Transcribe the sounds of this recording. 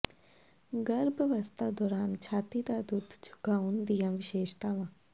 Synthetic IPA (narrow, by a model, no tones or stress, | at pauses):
ɡəɾbʋɐst̪aːd̪ɔːɾaːnt͡ʃʰaːt̪id̪aːd̪ud̪ʱd͡ʒʰʱʊ̥ɡaːund̪ijãːʋɪʃeːʃt̪aːʋãː